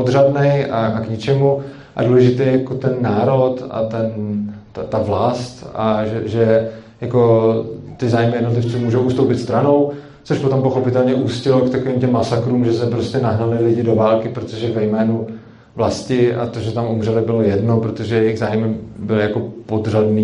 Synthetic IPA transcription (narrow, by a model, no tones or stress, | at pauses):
pod̪radnɛjaʔakɲɪt͡ʃɛmu | ʔa̰duːlɛʒɪt̪ɛjjakot̪ɛnːaːɾo̞t̪a̰t̪ɛnt̪at̪avlast̪aʒɛʒɛjako̞t̪ɪzaːjmɪjɛdnot̪lɪft͡simuːʒowʔuːst̪owpɪt̪st̪ɾano̞w | t͡so̞ʃpot̪o̞mpoxo̞pɪt̪ɛlɲɛʔuːscɪlokt̪akoviːmcɛmːasakɾuːmʒɛsɛpɾoscɛnaɦnalɪlɪɟɪdo̞vaːlkɪpɾot̪oʒɛvɛjmɛːnu | vlascɪʔa̰t̪oʒɛt̪amumrɛlɪbɪlo̞jɛdnopɾo̞t̪oʒɛjɛjɪɣzaːjmɪbɪlɪjako̞pod̪r̝adniː